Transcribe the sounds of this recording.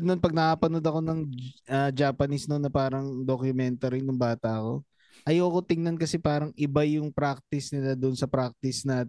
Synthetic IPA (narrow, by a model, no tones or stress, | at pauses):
nonpɐɡ̚nɐʔaːpɐnod̪ɐko̞nɐŋʔɐd͡ʒaːpɐnisnonːɐpaːɾɐŋd̪okjʊmɛnt̪ɐɾɪnʊŋbaːt̪ɐʔɐko̞̰ | ʔɐjowkot̪ɪŋnɐnkɐsɛpaːɾɐŋʔɪbajʊŋpɾak̚t̪ɪsnɪlad̪ʊnsɐpɾak̚t̪ɪsnaːt̪